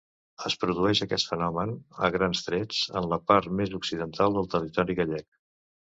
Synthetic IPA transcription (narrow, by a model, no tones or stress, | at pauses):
əspɾuðuɛʃəkɛt̪fənɔmənə̰ɣɾanzt̪ɾɛd͡zə̰nləpaɾt̪mezuksiðənt̪ʰalˠd̪əlˠt̪ərit̪ɔɾiɣəʎɛk̚